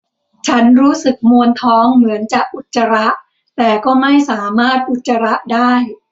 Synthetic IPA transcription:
t͡ɕʰa˦˥nɾuː˦˥sɯ˨˩k̚mu˧ənt̪ʰɔː˦˥ŋmɯ˩˦ənt͡ɕaː˨˩k̚ʔu˨˩t̪̚t͡ɕa˧ɾa˦˥ʔ | t̪ɛː˨˩kɔː˥˩ma˥˩jsaː˩˦maː˥˩t̪̚ʔu˨˩t̪̚t͡ɕa˧ɾa˦˥ʔdaː˥˩j

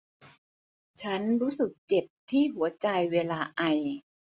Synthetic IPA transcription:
t͡ɕʰa˦˥nɾuː˦˥sɯ˨˩k̚t͡ɕe˨˩p̚t̪ʰiː˥˩ɦu˩˦ɐt͡ɕa˧jweː˧laː˧ʔa˧j

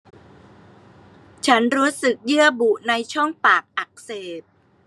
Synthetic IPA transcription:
t͡ɕʰa˦˥nɾuː˦˥sɯ˨˩k̚jɯ˥˩əbu˨˩na˧jt͡ɕʰɔ˥˩ŋpaː˨˩k̚ʔa˨˩k̚seː˨˩t̚

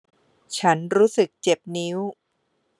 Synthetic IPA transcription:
t͡ɕʰa˦˥nɾuː˦˥sɯ˨˩k̚t͡ɕe˨˩p̚ni˦˥w

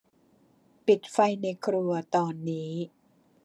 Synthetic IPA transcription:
pi˨˩t̪̚fa˧jna˧jkʰɾu˧ɐt̪ɔː˧nːiː˦˥

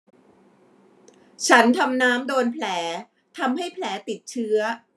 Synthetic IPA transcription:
t͡ɕʰa˦˥nt̪ʰa˧mnaː˦˥mdoː˧npʰlɛː˩˦ | t̪ʰa˧mɦa˥˩jpʰlɛː˩˦t̪i˨˩t̪̚t͡ɕʰɯ˦˥ɐ

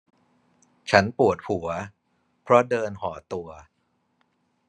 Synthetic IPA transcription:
t͡ɕʰa˦˥npu˨˩ət̪̚hu˩˦ɐ | pʰɾɔ˦˥dɤː˧nɦɔː˩˦t̪u˧ɐ

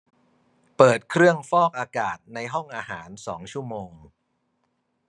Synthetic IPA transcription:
pɤː˨˩t̪̚kʰɾɯ˥˩əŋfɔː˥˩k̚ʔaː˧kaː˨˩t̪̚na˧jɦɔ˥˩ŋʔaː˧ɦaː˩˦nsɔː˩˦ŋt͡ɕʰu˥˩əmoː˧ŋ

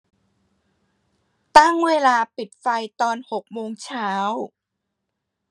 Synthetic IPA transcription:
t̪a˥˩ŋweː˧laː˧pi˨˩t̪̚fa˧jt̪ɔː˧nho˨˩k̚moː˧ŋt͡ɕʰaː˦˥w

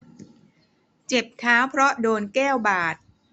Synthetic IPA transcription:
t͡ɕe˨˩p̚kʰaː˦˥wpʰɾɔ˦˥doː˧nkɛː˥˩wbaː˨˩t̪̚

